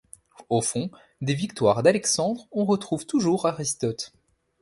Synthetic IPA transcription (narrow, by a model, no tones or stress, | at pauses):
ofɔ̃ | d̪evikt̪waʁd̪alɛksɑ̃d̪ʁɔ̃ʁət̪χuvt̪uʒuʁaʁist̪ɔt̪